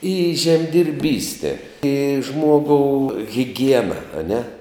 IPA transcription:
ɪ ʒʲɛmʲdʲɪrʲˈbʲiːsʲtʲɛ ɪ ˈʒmuɔɡoːʊ ɣʲɪˈɡʲiɛnɐ ɐˈnʲɛ

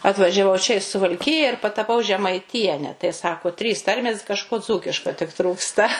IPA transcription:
ɐtʋɐʒʲɛˈʋɐʊ t͡ʃʲɛ ɪ sʊʋɐlʲˈkʲɪjɛ ɪr pɐtɐˈpɐʊ ʒʲɛmɐɪˈtʲiɛnʲɛ tɐɪ ˈsɑːkoː tʲrʲiːs ˈtɐrʲmʲeːs kɐʃˈkoː ˈd͡zuːkʲɪʃkɐ tʲɪk ˈtruːkstɐ

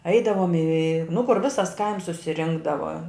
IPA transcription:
ˈɛɪdɐʋoːm iː nʊ kʊr ˈʋʲɪsɐs kɐɪms sʊsʲɪˈrʲɪŋɡdɐʋɐ

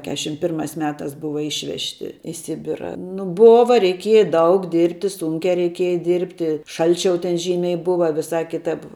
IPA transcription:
ˈkʲæːʃʲɪm ˈpʲɪrmɑːs ˈmʲæːtɑːs ˈbʊʋɐ ˈɪʃʲʋʲɛʃʲtʲɪ iː ˈsʲɪbʲɪrɐ nʊ ˈboːʋɐ rʲɛɪˈkʲiɛjɛ ˈdɐʊk ˈdʲɪrʲpʲtʲɪ ˈsʊŋʲkʲæː rʲɛɪˈkʲiɛjɛ ˈdʲɪrʲpʲtʲɪ ˈʃɐlʲt͡ʃʲɛʊ tʲɛn ˈʒʲiːmʲɛɪ ˈbʊʋɐ ʋʲɪˈsɑː ˈkʲɪtɐp

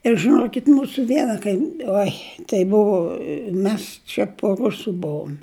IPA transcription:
ɪr ʒɨˈnoːkʲɪtʲ ˈmuːsʊ ˈʋʲiɛnɐ kɐɪm ˈoːɪ tɐɪ ˈbʊʋʊ ˈmʲɛs t͡ʃʲɛ poː ˈrʊsʊ ˈbʊʋʊm

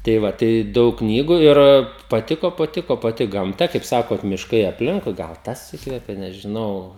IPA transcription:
tɐɪ ˈʋɐ tɐɪ ˈdɐʊk ˈknʲiːɡʊ ɪr pɐˈtʲɪkoː pɐˈtʲɪkoː pɐˈtʲɪ ɡɐmˈtɐ kɐɪp ˈsɑːkoːt mʲɪʃˈkɐɪ ɐpʲˈlʲɪŋkʊɪ ɡɐlˠ ˈtɐs ˈiːkʋʲɛpʲeː nʲɛʒʲɪˈnɐʊ

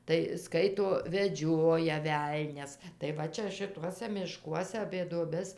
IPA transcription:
tɐɪ ˈskɐɪtoː ʋʲɛˈd͡ʒʲoːjɛ ˈʋʲɛlʲnʲɛs tɐɪ ˈʋɐ t͡ʃʲɛ ʃʲɪˈtuɔsʲɛ mʲɪʃˈkuɔsʲɛ ɐpʲeː duɔˈbʲɛs

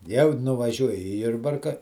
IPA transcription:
jɛʊ nʊʋɐˈʒʲuɔjɪ ɪ ˈjʊrbɐrkɐ

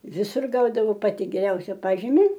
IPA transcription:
ʋʲɪˈsʊr ˈɡɐʊdɐʋoː ˈpɑːtʲɪ ɡʲɛˈrʲɛʊsʲɛ ˈpɑːʒʲɪmʲɪ

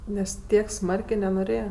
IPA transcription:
ˈnʲɛs ˈtʲiɛk ˈsmɐrʲkʲeː nʲɛnoːˈrʲeːjɛ

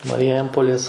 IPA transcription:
mɐrʲɪˈjɛmpoːlʲeːs

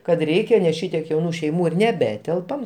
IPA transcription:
kɐt ˈrʲɛɪkʲɛ nʲɛs ˈʃʲɪtʲiɛk jɛʊˈnuː ʃʲɛɪˈmuː ɪr nʲɛˈbʲæːtʲɛlˠpɐm

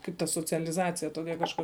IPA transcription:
ˈkɐɪp tɐ soːt͡sʲɛlʲɪˈzɑːt͡sʲɪjɛ ˈtoːkʲɛ kɐʃˈkʊr

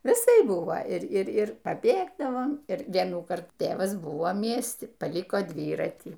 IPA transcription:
ʋʲɪˈsɐɪp ˈbʊʋoː ɪr ˈɪr ˈɪr pɐˈbʲeːɡdɐʋoːm ɪr ˈʋʲiɛnuː ˈkɐrtuː ˈtʲeːʋɐs ˈbʊʋoː ˈmʲiɛsʲtʲɪ pɐˈlʲɪkoː ˈdʲʋʲiːrɐtʲiː

